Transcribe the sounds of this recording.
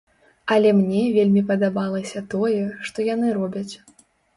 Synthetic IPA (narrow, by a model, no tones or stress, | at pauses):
ɐlʲɛmnʲɛvʲelʲmʲipɐd̪abalˠɐsʲɐt̪ɔjɛʂt̪ɔjanɨɾɔbʲɐt͡sʲ